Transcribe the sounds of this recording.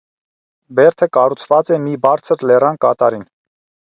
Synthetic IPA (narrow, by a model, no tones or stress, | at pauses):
bɛɾt̪ʰəkɑrut͡sʰvɑt͡sɛmibɑɾt͡sʰəɾlɛrɑnkɑt̪ɑɾin